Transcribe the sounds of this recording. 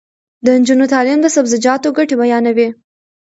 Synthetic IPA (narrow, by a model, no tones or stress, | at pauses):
d̪ənd͡ʒunot̪ɑlimd̪əsabzɪd͡ʒɑt̪oɡaʈebajɑnawi